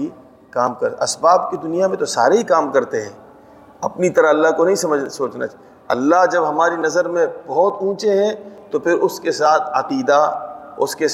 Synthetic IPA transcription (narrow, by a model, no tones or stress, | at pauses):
i | kaːmkɐɾɐsbaːbkid̪ʊnijamẽt̪osaːɾeɦikaːmkɐɾt̪eɦɛ̃ː | ɐpnit̪ɐɾəɐlːaɦkonɐɦĩsɐməd͡ʒsoːt͡ʃna̰t͡ʃ | ɐ̰lːaɦd͡ʒɐbɦɐmaːɾinɐzəɾmẽbɐɦɔt̪ũːt͡ʃeɦɛ̃t̪opʰɪɾʊskesaːt̪ʰɐqiːd̪aʊ̰ske